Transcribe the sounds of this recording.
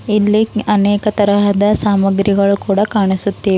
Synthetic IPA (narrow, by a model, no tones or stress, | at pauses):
ilːiɐnɛːkɐt̪ɐɾɐɦɐd̪ɐsaːmɐɡɾiɡɐɭukuːɽɐkaːɳisut̪ːiː